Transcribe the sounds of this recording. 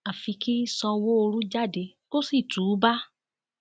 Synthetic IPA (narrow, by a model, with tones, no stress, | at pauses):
a˨fi˧ki˦sɔ˧wo˦o˧ɾũ˦d͡ʒa˦˨de˧ | ko˦si˦˨tuː˨˦ba˦